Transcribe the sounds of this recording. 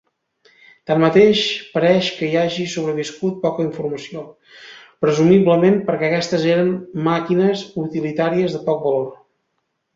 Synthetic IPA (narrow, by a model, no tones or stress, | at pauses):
t̪ammət̪eʃpəɾɛʃkəiaʒisuβ̞ɾəβ̞iskut̪̚pɔkəiɱfuɾməsio | pɾəzumibləmempəɾkɛəkɛst̪əzeɾəmmakinəzut̪ilit̪aɾiəzðəpɔk̚bəlor